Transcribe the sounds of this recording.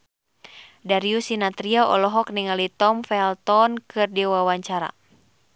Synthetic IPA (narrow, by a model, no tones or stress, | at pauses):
daɾiusinat̪ɾiaʔɔ̰lɔɦɔk̚niŋalit̪ɔmfɛlt̪ɔnkɨrdiwawaɲt͡ʃaɾa̰